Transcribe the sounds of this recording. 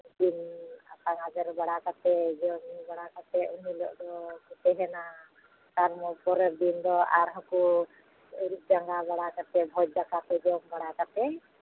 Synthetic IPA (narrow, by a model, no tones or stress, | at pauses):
d̪ina̰t̪aŋad͡ʒɛɾbaɽakat̪ɛd͡ʒɛmibaɽakat̪ɛunilɔ̰ʔd̪ɔkut̪ɛɦɛna | t̪aɾmɔpɔɾɛɾ̚d̪ind̪ɔaɾɦɔku | ɾit̪̚d͡ʒaŋɡabaɽakat̪ɛbʱɔt̚d͡ʒakat̪ɛd͡ʒɛmbaɽakat̪ɛ